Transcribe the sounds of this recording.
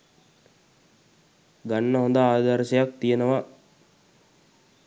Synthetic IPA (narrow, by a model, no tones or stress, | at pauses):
ɡanːəɦond̪aaːd̪aɾsəjak̚t̪ijənəʋa